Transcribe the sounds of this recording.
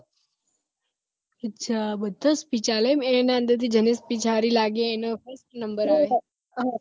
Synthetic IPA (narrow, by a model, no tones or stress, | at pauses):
ətːt͡ʃʰabəd̪ʱəspit͡ʃalemenaə̃nd̪əɾt̪ʰid͡ʒənespit͡ʃʰaɾilaɡeːnofəɾsʈnəmbəɾɦəʋe